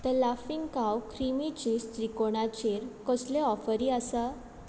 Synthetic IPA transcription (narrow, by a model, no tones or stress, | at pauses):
t̪əlafiŋɡkawkʰɾimit͡ɕiːst̪ɾikoɽ̃at͡ɕeɾkɔsleɔfəɾiəsə